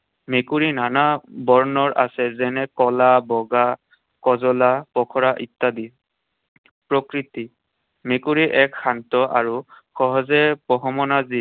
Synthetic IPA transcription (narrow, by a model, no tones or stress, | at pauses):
mekuɹinanabɔɹnɔɹʔasɛzɛnɛkɔlabɔɡa | kɔzɔlapɔkʰɔɹaʔitːadi | pɹɔkɹiti | mekuɹiʔɛkxantɔʔa̰ɹu | xɔɦɔzɛpɔɦɔmɔnazi